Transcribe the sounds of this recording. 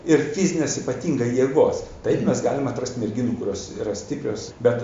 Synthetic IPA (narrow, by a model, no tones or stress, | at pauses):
ɪrfʲizʲɪnʲeːsipɐt̪ʲiːŋɡɐjeːɡoːst̪ɐɪpmʲɛsɡɑ̰ːlʲɪmɐt̪ɾɐsʲt̪ʲmʲɛɾʲɡʲɪnuːkʊɾʲoːsiːɾɐsʲt̪ʲɪpʲɾʲoːsbʲɛt̪